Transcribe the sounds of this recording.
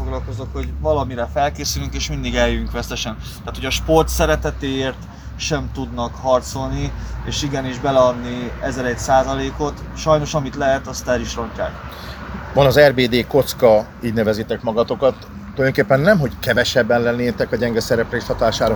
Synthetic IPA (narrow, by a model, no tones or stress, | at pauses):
foɡlɒlko̞zokho̞ɟvɒlɒmiɾɛfɛlkeːsylyŋkeːʃmind̪iɡɛjːyŋkʋɛst̪ɛʃɛn | t̪aːt̪hojɒʃpo̞rt̪sɛɾɛt̪ɛt̪eːeːrt̪ | ʃɛmt̪ud̪nɒkhɒrt̪so̞lnieːʃiɡɛniʒbɛlɛɒd̪niɛzɛɾɛcsaːzɒleːko̞t̪ | ʃɒjno̞ʃɒmit̪lɛɦɛt̪ɒst̪ɛɾiʃrɒɲcːa̰ːk | vɒnɒzɛrbeːd̪eːko̞t̪skɒ | iːɟnɛvɛzit̪ɛkmɒɡɒt̪o̞kɒt̪ː | ojd̪oŋkeːpːɛnːɛmɦo̞ckɛvɛʃɛbːɛnlɛnːeːt̪ɛkɒɟɛŋɡɛsɛɾɛpreːst̪hɒt̪aːʃaːɾ